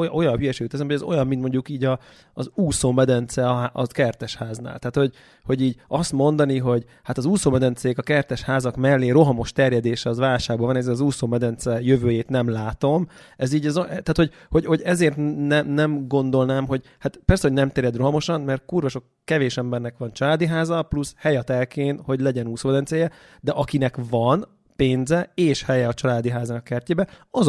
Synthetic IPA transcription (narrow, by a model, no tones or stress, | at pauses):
ʔojɒnɦyjɛʃeːɡyt̪ːɛsɛmɦoɟɛzo̞̰jɒmːint̪mo̞ɲɟukiːɟɒː | zuːsoːmɛd̪ɛnt̪sɛɒɦaʔɒkɛrt̪ɛʃhaːzna̰ːlt̪ɛːt̪ho̞ɟ | ho̞ɟiːɟɒst̪mo̞nd̪ɒniɦo̞ɟ | hat̪ɒzuːsoːmɛd̪ɛnt̪sɛkɒkɛrt̪ɛʃhaːzɒkmɛlːeːro̞ɦɒmo̞ʃt̪ɛrjɛd̪eːʃɛɒzvaːlʃaːɡ̚bɒvɒnɛzɛlɒzuːsoːmɛd̪ɛnt̪sɛjøvøːjeːt̪nɛmlaːt̪o̞mɛziːɟɛzoɛt̪aːt̪ho̞ɟ | ho̞ɟho̞ɟɛzeːrt̪nɛmnɛmɡo̞nd̪o̞lnaːmɦo̞ɟhat̪pɛrsɛhonɛmt̪eːɾjɛd̪ro̞ɦɒmo̞ʃɒnmɛrt̪̚kurvɒʃo̞kːɛveːʃɛmbɛnːɛkʋɒnt͡ʃɒlaːd̪iɦaːzɒplushɛjɒt̪ɛlkeːnho̞ɟlɛɟɛnuːsoːmɛd̪ɛnt̪sɛjɛ | d̪ɛʔɒkinɛkvɒn | peːnzɛeːʃhɛjɛɒt͡ʃɒlaːd̪iɦaːzaːnɒkɛrceːbɛɒz